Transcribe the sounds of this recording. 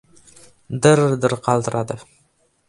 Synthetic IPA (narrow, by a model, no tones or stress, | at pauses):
d̪əɾd̪əɾqʰɑlˠd̪əɾʔɑd̪ə